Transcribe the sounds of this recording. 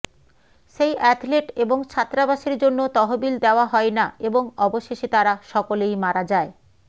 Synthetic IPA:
ʃejʔɛʈʰleʈeboŋt͡ɕʰat̪ːɾabaʃeɾd͡ʑonːot̪ɔɦobild̪eoaɦɔenaeboŋɔboʃeʃet̪aɾaʃɔkolejmaɾad͡ʑae

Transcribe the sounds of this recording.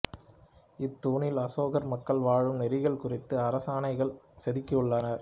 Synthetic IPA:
ɪt̪ːuːɳɪlɐsoːɣɐɾmɐkːɐɭʋaːɻɯmnɛɾɪɣɐɭkʊrɪt̪ːɯɐɾɐsaːnɐɪɣɐɭ | sɛðɪkːɐɯɭːɐnɐɾ

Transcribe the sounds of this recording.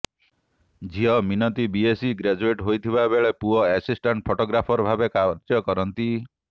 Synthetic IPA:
d͡ʒiɔminɔt̪ibiesiɡɾad͡ʒueʈɦojt̪ʰibabeɭepuɔɛsisʈaɳʈ̚pʰoʈɔɡɾapʰɔɾɔbʱabekaɾd͡ʒjɔkɔɾɔnt̪i

